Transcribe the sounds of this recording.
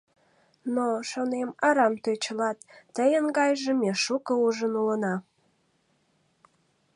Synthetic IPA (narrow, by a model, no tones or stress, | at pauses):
noʃonemɑɾɑmt̪øt͡ɕəlɑt̪ːəjənɡɑjʒemeʃukəuʒənulənɑ